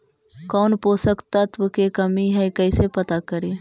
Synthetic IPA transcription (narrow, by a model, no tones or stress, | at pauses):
kɔːnpoːsəkt̪ɐt̪ʋəkekɐmiɦɛjkɐisepɐt̪akəɾiː